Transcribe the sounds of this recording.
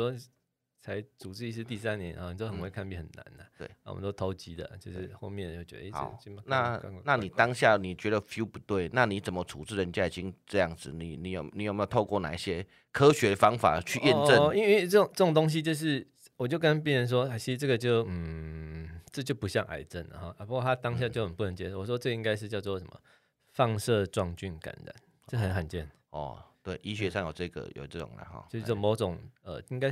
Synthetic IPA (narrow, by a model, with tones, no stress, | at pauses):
wɔ˥ | t͡sʰa˧˥ɪt͡su˨t͡sɻ̩˥˧i˧ʂɻ̩˥˧t̪i˥˩sa˦nnjɛ̰˧˦na˨˩ni˨˩o˥xə˨nwe˥˧ɪkʰa˥˧npi˥˩hə˨˩nːa̰˧˦na˨wḛ˥˩a̰˨˩˨mə̰˦t̪o˥ʊt̪ʰo˧˥ʊt͡ɕi˧˥d̪ə̰˨t͡ɕjo˥˧ʂɻ̩˥˧˩xo˥˧ʊmjɛ˥˧n˨jo˥˩t͡ɕɥɛ̰˧˦d̪ə˧ɑ̰˨˥˦ʊi˥˦˨na˥˨˧na˥˩ni˨˩t̪ɑ˦ŋɕja˥˩ni˨˩t͡ɕɥɛ˧˥d̪ə˨fju˥pu˧˦t̪we˥˩ɪna˥˩ni˧˥t͡sə˨˩mə˦t͡sʰu˨t͡sɻ̩˥˩ɻə˧˦nt͡ɕja˥˩i˨˩t͡ɕi˦˥ŋʈ͡ʂɤ˥˧jɑ˥˩ŋd͡zɹ̩˨˩ni˨˩ni˨˧˦jo˨˩ni˨˦o˨˩me˥jt̪ʰo˥˧kwɔ˥˩na̰˨˩i˩ɕjɛ˦ | kʰɤ˥˦ɕɥɛ˧˥fɑ˥ŋfa̰˨˩t͡ɕʰy˥˧jɛ˥˨˧ʈ͡ʂə˥˨ni˥nwe˥˧ɪə˥˩ʊ˨˩ŋʈ͡ʂə˥˩o˨˩ŋt̪o˥ŋɕ̬i˧t͡ɕjo˥˧ʊʂ̬ɻ̩˥˩ | wɔ˨˩t͡ɕjo˥˧ʊkə˦np̬jɛ˥˨nɻə˧˦nʂ̬wɔ˦a˥˩t͡ɕʰi˧˥˧ʈ͡ʂɤ˥˩ɡə˨t͡ɕjo˥˨˧ʊm̩˩ | t͡sə˥˧t͡ɕjo˥˩ʊpu˧˦ɕjɑ˥˩ŋʔa̰˨˩ɪʈ͡ʂə˥˨nlə̰˩ɦɔ˩ə˩pu˧˥kwɔ˥˧˩a˦˥t̪ɑ˥ŋɕ̬ja˥˧t͡ɕjo˥˩ʊxə˨˩npu˥˩nə˧˥ŋt͡ɕjɛ˥ʂwɔ˨˩ʂwɔ˥t͡sɤ˥˧ɡi˥ŋka˥ɪʂɻ̩˥˧t͡ɕjɑ˥˧ʊt͡swɔ˥˨˩ʂə˧˦mə̰˨˩ | fɑ˥˧ŋʂɤ˥˧ʈ͡ʂwɑ˥˧ŋt͡ɕy˥˩nka̰˨˦nɻa̰˨˩˦n | ə˥˧˩ə˨˦nxə˨nt͡ɕjɛ˥˩n | ɔ̰˩t̪we˥˩ɪʔi˥ɕɥɛ˧ʂɑ˥˩ŋjo˨˩ʈ͡ʂɤ˥˧ɡə̰˨˩jo̰˨ʊʈ͡ʂɤ˥˩ʈ͡ʂʊ̰˨˩ŋla̰˨˦xɔ̰˧˩˥ʂ̩˥˩jo˥˩mo˨˧˥ʊʈ͡ʂʊ˨˩ŋə̰˨i˥ŋka˥ɪ